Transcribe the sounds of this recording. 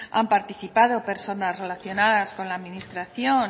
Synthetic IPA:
a̰mpaɾt̪iθipaðo̞pe̞ɾso̞nasre̞laθjo̞naðasko̞nlaːðminist̪ɾaθjo̞n

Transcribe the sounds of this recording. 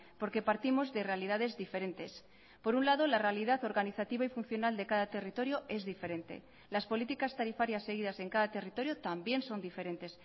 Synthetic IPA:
po̞ɾke̞paɾt̪imo̞zðe̞re̞aliðaðe̞zðife̞ɾe̞nt̪e̞s | po̞ɾunlaðo̞larealiðat̪o̞ɾɣaniθat̪iβaifunθjo̞nald̪e̞kaðat̪e̞rit̪o̞ɾjo̞ʔe̞zðife̞ɾe̞nt̪e̞̰ | laspo̞lit̪ikast̪aɾifaɾjasːe̞ɣ̞ið̞ase̞ŋkaðat̪e̞rit̪o̞ɾjo̞t̪ambje̞nso̞nd̪ife̞ɾe̞nt̪e̞s

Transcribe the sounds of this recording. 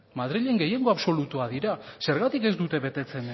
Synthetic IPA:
mað̞ɾiʎe̞ŋɡe̞je̞ŋɡo̞aβso̞lut̪uað̞iɾase̞ɾɣat̪ike̞zd̪ut̪eβe̞t̪e̞t͡se̞n

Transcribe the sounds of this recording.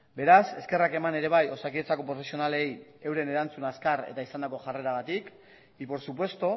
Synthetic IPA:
be̞ɾase̞ske̞rake̞mane̞ɾe̞β̞ajo̞sakiet͡sako̞pɾo̞fe̞sio̞nale̞je̞wɾe̞ne̞ɾant͡sunaskarḛt̪aisand̪ako̞ʝare̞ɾaɣat̪ik | ipo̞ɾsup̬we̞st̪o

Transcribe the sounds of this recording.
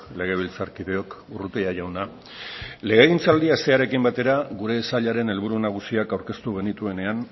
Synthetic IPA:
le̞ɣ̞e̞β̞ilt͡saɾkiðe̞o̞kurut̪eaʝawna | le̞ɣeɣint͡sald̪iaest̪e̞aɾe̞kimbat̪e̞ɾaɣuɾe̞saʎaɾe̞ne̞lβuɾunaɣ̞usiakawɾke̞st̪uɣ̞e̞nit̪ue̞ne̞an

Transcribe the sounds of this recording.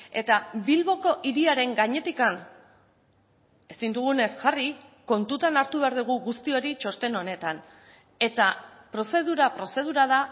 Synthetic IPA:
e̞t̪abilβo̞ko̞ʔiɾiaɾe̞ŋɡaɲe̞t̪ikan | e̞sind̪uɣ̞une̞sʝariko̞nt̪ut̪anaɾt̪uβ̞e̞aɾðuɣ̞uɣust̪io̞ɾit͡ʃo̞st̪e̞no̞ne̞t̪an | e̞t̪apɾo̞se̞ðuɾapɾo̞se̞ðuɾaða

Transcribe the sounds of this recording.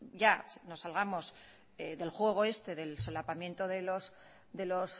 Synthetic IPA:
ɟ͡ʝasno̞sːalɣamo̞s | eðe̞lxwe̞ɣ̞o̞e̞st̪e̞ðe̞lsolapamje̞nt̪o̞ðe̞lo̞s | d̪e̞lo̞s

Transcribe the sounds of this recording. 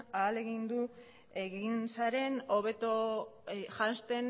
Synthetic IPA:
aːle̞ɣind̪u | eɣinsaɾe̞no̞βe̞t̪o | ʝanst̪e̞n

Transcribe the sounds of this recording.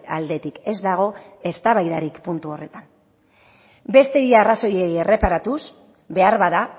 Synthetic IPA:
ald̪e̞t̪ike̞zd̪aɣ̞o̞e̞st̪aβajðaɾikpunt̪uo̞re̞t̪an | be̞st̪e̞iaraso̞jejere̞paɾat̪us | be̞aɾβaða

